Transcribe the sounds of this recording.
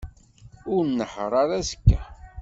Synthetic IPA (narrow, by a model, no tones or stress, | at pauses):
ʊɾnːəħəɾˤɑɾæzə̥kːæ